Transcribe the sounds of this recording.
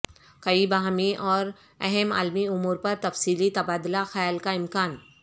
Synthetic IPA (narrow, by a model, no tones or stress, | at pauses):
kɐibɐɦamiʔɔːɾ | ɛɦɛma̰ːlmiʊmuːɾpɐɾt̪ɐfsiːlit̪ɐbaːd̪laxɐjaːlkaɪmkaːn